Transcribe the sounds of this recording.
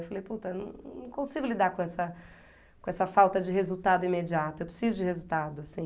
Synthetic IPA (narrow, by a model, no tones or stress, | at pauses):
wfalejput̪ɐnɐ̰̃nɐ̃w̃kõsiɡʊlid̪aɾkõɛsɐ | kõɛsɐfawt̪ɐd͡ʒɪɦezuwt̪ad̪ʊĩmed͡ʒiat̪ʊewpɾe̥sizʊd͡ʒɪhezuwt̪ad̪ʊasĩ